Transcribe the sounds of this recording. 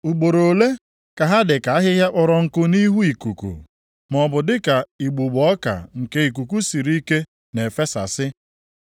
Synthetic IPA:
u˨ɡ͡bo˨ɾo˨le˦ | ka˨ɦa˦dɪ˨ka˨a˦ɦɪ˦ɦja˦k͡pɔ˨ɾɔ˨ŋ̩˨kʊ˦ni˦ɦu˦i˨ku˨kṵ˨ | m˨ɔ˨bʊ˨dɪ˦ka˨i˨ɡ͡bu˨ɡ͡bɔ˦ka̰˨ŋ̩˨ke˦i˨k̬u˨ku˦si˨ɾi˦ke˦ | ne˨fe˦sa̰˨sɪ˦

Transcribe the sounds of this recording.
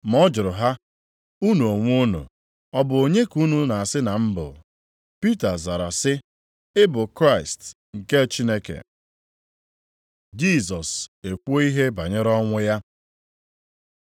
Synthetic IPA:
m˨ɔ˦d͡ʒʊ˨ɾʊ˨ɦa˦ | u˦nu˨o˨ŋʷu˦nṵ˨ | ɔ˦bʊ˨o˨ɲe˦ku˦nu˦na˨a˨sɪ˦na˨m̩˦bʊ̰˨ | pi˦ta˨za˨ɾa̰˨sɪ˦ | ɪ˦bʊ˨kɾa˦ɪ˨st | ŋ̩˨ke˦t͡ʃi˦ne˦kḛ˨ | d͡ʒi˦˨sɔ˨se˨kʷo˦i˦ɦe˦ba˨ɲe˦ɾɔ˦ŋʷʊ˦ja˦

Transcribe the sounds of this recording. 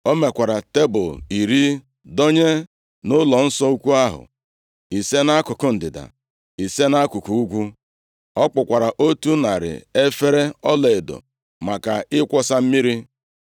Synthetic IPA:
o˦me˨kʷa˨ɾa˨te˦bʊ˨li˨ɾi˦ | do˦ɲe˦ | nʊ˦lɔ˨n̩˦sɔ˦u˦kʷu˦a˦ɦʊ̰˨ | i˨se˦na˦kʊ˨kʊ˦n̩˨dɪ˨da̰˨ | i˨se˦na˦kʷu˨ku˨u˦kʷu˦ | ɔ˦k͡pʊ˨kʷa˨ɾa˨ʔo˦tu˦na˨ɾɪ̰˨e˦fe˦ɾe˦ɔ˦le˨e˨do̰˨ | ma˨ka˨ɪ˦kʷɔ˦sa˦m̩˦mi˦ɾi˦

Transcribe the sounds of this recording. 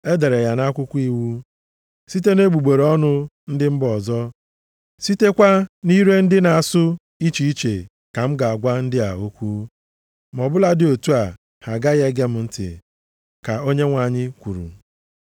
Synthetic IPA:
e˦de˨ɾe˨ja˨na˦kʷʊ˦kʷu˦i˦wu˦ | si˦t̬e˦ne˦ɡ͡bu˨ɡ͡be˨ɾɔ˦nʊ˦ | n̩˦dɪ˦m̩˦bɔ˨zɔ˦ | si˦te˦kʷa˦ni˦ɾe˦n̩˦dɪ˦na˨a˨sʊ˦ | i˦t͡ʃi˨i˦t͡ʃe˨ | ka˨m̩˦ɡa˨a˨ɡʷa˦n̩˦dɪ˦a˨o˦kʷu˦ | m˨ɔ˨bʊ˦la˨dɪ˦˨o˨tu˦a˨ | ha˨ɡa˦ɣe˦ɡe˦m̩˦n̩˦tɪ̰˨ | ka˨o˦ɲe˦ŋʷa˨ɲɪ˦kʷu˨ɾṵ˨

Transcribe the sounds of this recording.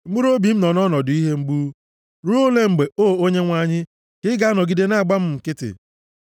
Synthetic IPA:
m̩˦u˦ɾo˦bi˨m̩˦nɔ˨nɔ˦nɔ˨dʊ˨˦i˦ɦe˦ŋ͡m̩˦ɡ͡buː˦ | ɾu˦o˦le˦ŋ͡m̩˨ɡ͡be˨o˦˨o˦ɲe˦ŋʷa˦ɲɪ˦ | kɪ˦ɡa˦nɔ˨ɡi˦de˦na˦˨a˨ɡ͡ba˦m̩˦m̩˨kɪ˦tɪ̰˨

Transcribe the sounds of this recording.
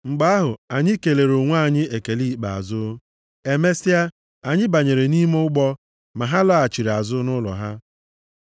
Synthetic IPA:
ŋ͡m̩˨ɡ͡ba˦a˦ɦʊ˨a˨ɲɪ˦ke˨le˨ɾo˨ŋʷa˦˨ɲɪ˦e˨ke˨li˦˨k͡pa̰˨a̰˨zʊ˦ | e˨me˦si˦a˦ | a˨ɲɪ˦ba˨ɲe˨ɾe˨ni˦mo˦ʊ˦ɡ͡bɔ˦ | ma˨ɦa˦lɔ˦a˨t͡ʃi˨ɾa˨zʊ˦nʊ˦lɔ̰˨ɦa˦

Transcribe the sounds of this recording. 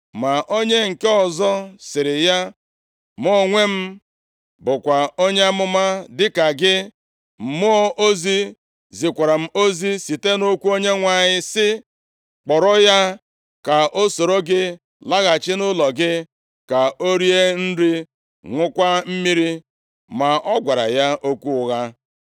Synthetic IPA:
ma˨ʔo˦ɲe˦ŋ̩˨ke˦ɔ˨zɔ˦sɪ˨ɾɪ˨ja˦ | m˦ɔ˦˨ŋʷe˦m̩˦ | bʊ˨kʷa˨o˦ɲe˦a˦mʊ˦ma˦dɪ˦ka˨ɡɪ˦ | m̩˨mʊ˦ɔ˦ʔo˦zi˦ | zi˨kʷa˨ɾa˨m̩˦o˦zi˦si˨te˦no˦kʷu˦o˦ɲe˦ŋʷa˨ɲɪ˦sɪ˦ | k͡pɔ˨ɾɔ˦ja˦ | ka˨ʔo˦so˨ɾo˦ɡɪ˦ | la˦ɣa˨t͡ʃɪ˦nʊ˦lɔ˨ɡɪ˦ | ka˨o˦ɾi˦e˦n̩˦ɾi˦ | ŋʷʊ˦kʷa˦m̩˦mi˦ɾi˦ | ma˨ɔ˦ɡʷa˨ɾa̰˨ja˦ʔo˦kʷu˦ʊ˨ɣa˦

